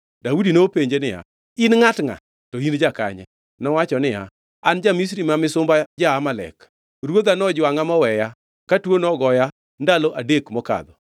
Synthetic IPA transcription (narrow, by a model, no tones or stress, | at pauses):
daudinopeɲd͡ʒenɪja̰ | inŋatŋa̰ | tɔind͡ʒaka̰ɲɛ̰ | nɔwat͡ʃɔnɪja̰ | and͡ʒamis̬ɾimamɪsʊmbad͡ʒaːmalɛ̰k | rwod̪anɔd͡ʒwaŋamɔwɛja | katwonɔɡɔja | ndalɔʔadekmɔka̰d̪ɔ